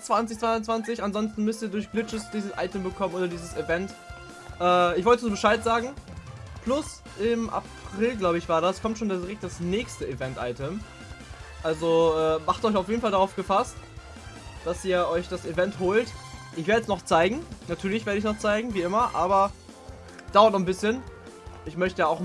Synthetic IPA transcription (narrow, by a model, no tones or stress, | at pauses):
t͡sv̥ant͡sɪçt͡sv̥aɪʊnt͡sv̥ant͡sɪçanzɔnstn̩mʏstiːɐdʊɐçb̥lɪt͡ʃəsd̥iːzəsʔa̰ɪtəmbəkʰɔmənoːdɐdiːzəsivɛnt | ʔɛːɪçvɔltəzuːbəʃaɪtz̥aːɡŋ̩pʰlʊs | ʔɪmʔa̰pʁ̥ɪlɡlaʊbəɪçv̥aːɐdaskʰɔmtʃoːndadɪʁɛkt̚d̥asnɛːçstəivɛntʔa̰ɪtəm | ʔalzoʔɛːmaχtɔʏçaʊfjeːdn̩faldaʁaʊfɡ̥əfast | d̥asʔiːɐʔɔʏçd̥asivɛnthoːltʔɪçv̥eɐdəsnɔχt͡saɪɡŋ̩natʰyːɐlɪçveːɐɾəɪçnɔχt͡saɪɡŋ̩viːʔɪmɐʔaːbɐ | d̥aʊɐt̚nɔχn̩bɪsçən | ʔɪçmœçtəjaaʊx